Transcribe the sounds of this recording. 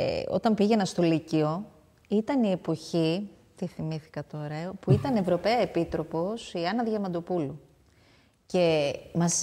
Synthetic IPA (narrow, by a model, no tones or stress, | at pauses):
ḛo̞̰t̪ɐmpiʝe̞nɐst̪o̞licio̞ | it̪ɐnie̞po̞çi | t̪iθimiθi̥kɐt̪o̞ɾɐpuit̪ɐne̞vɾo̞pe̞ɐe̞pit̪ɾo̞po̞siɐnɐðʝɐmɐnd̪o̞pulu | ce̞mɐs